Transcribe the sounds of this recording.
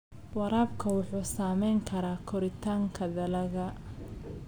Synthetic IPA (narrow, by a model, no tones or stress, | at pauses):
wɑɾaːb̚kʰɐwʊħuːsaːmɛjŋkʰɐɾaːkʰɔɾɪt̪ʰaːŋkʰɐðɐlɐɣɐ